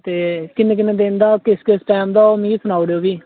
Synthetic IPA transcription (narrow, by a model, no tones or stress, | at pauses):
t̪eːkɪnːeːk̬ɪneːd̪ẽːnd̪aːkɪskɪsʈɛːmd̪aːomĩːɡiːsʊnaːʊɽeːoːbiː